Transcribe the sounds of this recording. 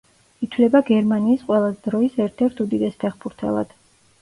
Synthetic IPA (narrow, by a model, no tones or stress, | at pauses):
it̪ʰlɛbaɡɛɾmaniːsqʼwɛlˠazɛd̪ɾɔisɛɾt̪ʰɛɾt̪ʰud̪id̪ɛspʰɛχbuɾt̪ʰɛ̰lˠa̰d̪̥